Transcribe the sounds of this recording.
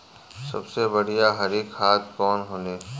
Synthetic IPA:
sɐ̰bsebɐɽ̤ijaɦɐɾeːkhaːt̪ʰkɔːnɦoːneː

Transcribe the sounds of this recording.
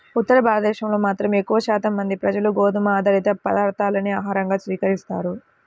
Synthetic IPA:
ut̪ːɐɾɐbʱaːlɐd̪ɛːʃɐmlo̞ːmaːt̪ɾɐmekːuʋɐʃaːt̪ɐmːɐnd̪ipɾɐd͡ʒɐluɡoːd̪umɐːd̪ɐɾit̪ɐpɐd̪aːɾt̪ʰaːlɐniaːɦaːɾɐŋɡaːsʋiːkɐɾist̪a̰ːɾu

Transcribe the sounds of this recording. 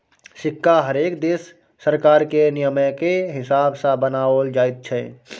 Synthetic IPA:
sɪkːaɦəɾeːkd̪eːsː | əɾkaːɾkenijəməkeɦɪsaːbsãbənaːold͡ʒaːjt̪̚t͡ʃʰɛ

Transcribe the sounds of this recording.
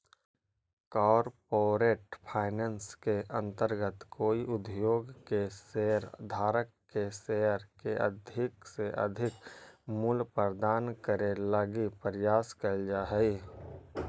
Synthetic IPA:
kɔːɾpoːɾeːʈpʰaːɪnənskeʔə̃nt̪əɾɡət̪koːiʔʊd̪ʱjoːɡkeseːəɾd̪ʱaːɾəkːeseːəɾkeʔə̰d̪ʱɪkseʔə̰d̪ʱɪkmʊlpəɾd̪aːnkəɾeləɡipəɾjaːskəld͡ʒaːɦɛi

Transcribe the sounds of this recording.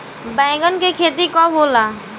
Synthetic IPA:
bɛ̃ːɡənkekʰeːt̪̬ikɔboːlaː

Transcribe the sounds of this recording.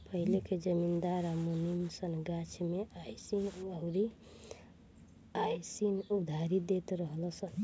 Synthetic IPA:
pəɦileked͡ʒəmind̪aɾamuninsənɡat͡ʃʰmeajsinəɾi | ajsinud̪ʱaɾid̪et̪ɾəɦlɔsən

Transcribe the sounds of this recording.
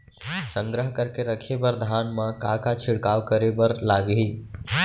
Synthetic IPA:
sə̃ŋɡɾəɦkəɾkeɾəkʰebəɾd̪ʱaːnmãkakat͡ʃʰɪɽkaːʋkəɾebəɾlaːɡɦiː

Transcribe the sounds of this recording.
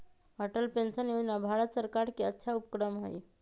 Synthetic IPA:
əʈəlpensənjod͡ʒnabʱaɾət̪səɾkaɾkiətːʃʰaupkɾəmɦə̰j

